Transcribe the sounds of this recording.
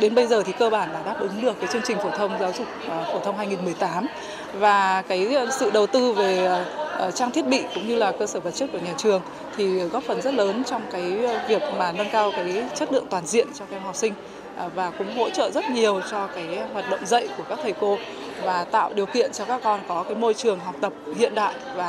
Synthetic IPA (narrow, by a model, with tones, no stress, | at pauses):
ɗe˨˦nɓə˧jzəː˨˩t̪ʰi˨˩kəː˧ɓaː˧˩nɗaː˧˩ɗaː˦˥p̚ʔɨ˨˦ŋɗɨ˨˩əkːaː˨˦jt͡ɕɨ˧əŋt͡ɕï˨˩ŋ̟fo˧˩t̪ʰə˧wŋ͡mzaː˨˦wzʊ˨˩k͡p̚fo˧˩t̪ʰə˧wŋ͡mɦaː˧jŋi˨˩nmɨ˨˩əjt̪aː˨˦m | vaː˨˩kaː˨˦jsɨ̰˧˨ɗə˨˩wt̪ɨ˧ve˨˩˨t͡ɕaː˧ŋt̪ʰi˦˥ət̚ɓḭ˧˨kʊ̰˧˥ŋ͡mɲɨ˧laː˨˩kəː˧səː˧˩və˨˩t̚t͡ɕə˦˥t̚ku˧˩ɲaː˨˩t͡ɕɨ˨˩əŋ | t̪ʰi˨˩ɣɔ˦˥p̚fə˨˩nzə˦˥t̚ləː˨˦nt͡ɕɔ˧wŋ͡mkaː˨˦jvi˨˩ək̚maː˨˩nə˧nkaː˧wkaː˨˦jt͡ɕə˦˥t̚lɨ̰˧əŋt̪waː˨˩nzḭ˧˨ənt͡ɕɔ˧kaː˨˧˦hɦɔ˨˩wk͡p̚sï˧ŋ̟˩ | vaː˨˩kʊ̰˧˥ŋ͡mɦo̰˧˥t͡ɕə̰ː˧˨zə˦˥t̚ɲi˨˩əwt͡ɕɔ˧kaː˨˦jɦwaː˨˩t̚ɗə̰˧˨wŋ͡mzə̰˧˨jku˧˩əkaː˦˥k̚t̪ʰə˨˩jko˧ | vaː˨˩t̪a̰ː˧˨wɗi˨˩əwkḭ˧˨ənt͡ɕɔ˧kaː˦˥k̚ːɔ˧nkɔ˨˦kaː˨˦jmo˧jt͡ɕɨ˨˩əŋɦɔ˨˩wk͡p̚t̪ə˨˩p̚hḭ˧˨ənɗa̰ː˧˨jvaː˨˩